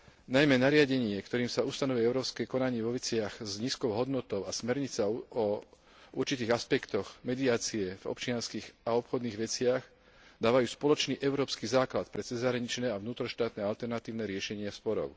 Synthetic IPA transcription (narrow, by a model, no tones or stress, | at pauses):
najmɛnaɾɪaɟɛɲɪɛkt̪ɔɾiːmsaust̪anɔʋuɛɛʊɾɔːskɛːkɔnaɲɪɛʋɔʋɛt͡sɪaɣzɲiːskɔʊɦɔd̪nɔt̪ɔʊasmɛɾɲit͡saɔ | uɾt͡ʃit̪iːɣaspɛkt̪ɔɣmɛd̪ɪaːt͡siɛvɔ̰pt͡ʃɪanskiːɣaɔpxɔd̪niːɣʋɛt͡sɪaɣ | d̪aːʋajuːspɔlɔt͡ʃniːʔɛʊɾɔːpskizaːklat̪pɾɛt͡sɛzɦɾaɲit͡ʃnɛːaʋnuːt̪ɾɔʃt̪aːt̪nɛalt̪ɛɾnat̪iːʊnɛɾɪɛʃɛɲɪaspɔɾɔ̰ʊ